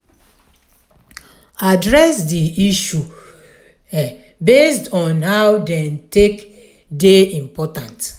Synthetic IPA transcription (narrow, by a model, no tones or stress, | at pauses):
adɹɛsdiiʃu | ɛ | bestɔ̃nhawdɛ̃ntek | deĩmpɔtãnt